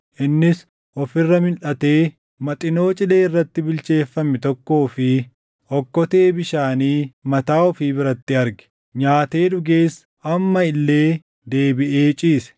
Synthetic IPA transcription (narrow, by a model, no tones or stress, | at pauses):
ʔɪnːɪs | ʔɔfɪrːɐmɪnᶑɐt̪e̞ː | mɐt̪ʼɪno̞ːt͡ʃʼɪleːɪrːɐt̪ːɪbɪlt͡ʃe̞ːfːɐmːɪt̪ɔkːo̞ːfɪ | ɔkːɔt̪e̞ːbɪʃaːniːmɐt̪aːɔfiːbɪɾɐt̪ːɪɐɾɡɛ̥ | ɲaːt̪e̞ːd̪ʊɡeːs | ɐmːɐɪlːe̞ː | d̪e̞ːbɪʔeːt͡ʃʼiːsɛ̥